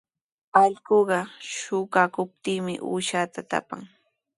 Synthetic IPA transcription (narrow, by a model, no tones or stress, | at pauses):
ɑʎkoɢɑʃʊɢakʊp̚t̪iːmɪ̰ʔṵːʃaːt̪at̪a̰pa̰ŋ